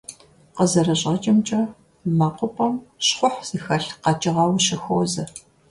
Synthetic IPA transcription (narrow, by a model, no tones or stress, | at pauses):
qəzɐrɐɕʼɐt͡ʃʼɪmt͡ʃʼɐ | maːqʷʊpʰʼɐmɕχʷʊħz̥ixɐɬqɑt͡ʃʼɪʁɐwɕɪxoːzɐ